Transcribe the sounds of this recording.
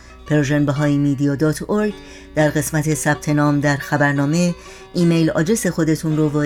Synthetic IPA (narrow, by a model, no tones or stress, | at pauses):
pʰeɾʒenbeɦɒːjimiːd̪ijɒːd̪ɒːt̪ʰoɾɡ | d̪̥æɾɢe̞smæt̪ʰe̞sæb̥̚t̪ʰe̞nɒːmd̪æɾxæbæɾnɒːme̞ | iːmejlɒ̰ːd͡ʒese̞xo̞d̪e̞t̪ʰuːnɾoːvɒː